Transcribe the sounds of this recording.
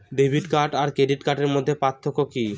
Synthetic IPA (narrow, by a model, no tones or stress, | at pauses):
ɖejbʱiɖkaɾʈaɾkeɖiʈkaʈeɾmod̪ʱːepat̪ʰːokoki